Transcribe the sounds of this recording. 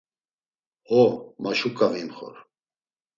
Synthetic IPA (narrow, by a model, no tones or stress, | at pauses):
hɔmaʃukʼavimχɔ̰ɾ